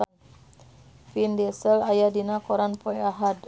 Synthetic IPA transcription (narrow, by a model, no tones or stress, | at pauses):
findɛsəlajadinakɔɾanpɔjaɦad